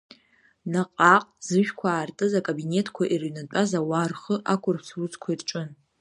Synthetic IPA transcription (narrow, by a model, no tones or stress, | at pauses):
naqʼaqʼz̥ɨʒᶣkʷʰaːrtʼɨzakʼobine̞tʼʰkʷʰaʔirɥnat͡pʷʼazawarχəʔakʷʰʊrpʰsʰrut͡sʰkʷʰairʈ͡ʂʼʊn